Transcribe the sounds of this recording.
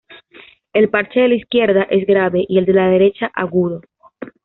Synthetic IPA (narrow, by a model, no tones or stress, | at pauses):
e̞lpaɾt͡ʃeðelaiskje̞ɾðaʔe̞zɡɾaβe̞ʔie̞ld̪e̞lað̞e̞ɾe̞t͡ʃaʔaɣuðo̞